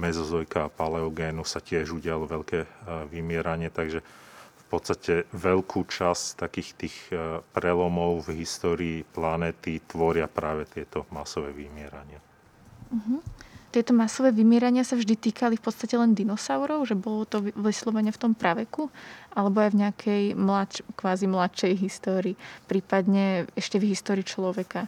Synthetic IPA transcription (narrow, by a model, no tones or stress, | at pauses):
mɛzɔzɔjkaːpalɛɔɡɛːnusacɪɛʒuɟɪalɔʋɛʎkɛːʋimɪɛɾaɲɪɛt̪aɡʒɛ | fpɔt̪st̪acɛʋɛʎkʰuːt͡ʃast̪akiːxt̪iːxpɾɛlɔmɔʊvɦist̪ɔːɾiːplanɛːt̪it̪ʋɔɾɪapɾaːʋɛt̪ɪɛt̪ɔmasɔʋɛːʋimɪɛɾaɲɪa | ɦ̩t̪ɪɛt̪ɔmasɔʋɛːʋimɪɛɾaɲɪasavʒd̪it̪iːkʰalifpɔt̪st̪acɛlɛnd̪inɔsaʊɾɔʊʒɛbɔlɔt̪ɔʋʋɛslɔʋaɲɛft̪ɔmpɾaʋɛkuʔalɛbɔajvɲɛakʰɛjmlat͡ʃkʋaːzimlatʃɛjɦist̪ɔːɾiːpɾiːpad̪ɲɛɛʃcɛvɦist̪ɔːɾiːt͡ʃlɔʋɛka